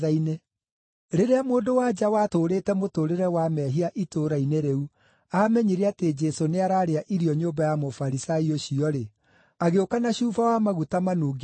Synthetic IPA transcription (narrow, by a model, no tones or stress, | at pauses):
aine | ɾeɾeamoːndowad͡ʒawatoːɾetɛmotoːɾeɾɛwamɛɦiaʔitoːɾaineɾeu | amɛɲiɾeated͡ʒɛsoneaɾaːɾeaʔiɾijɔɲoːmbajamofaɾisaioɕiɔɾe | aɣeokanaɕuːfawamaɣutamanuːɡ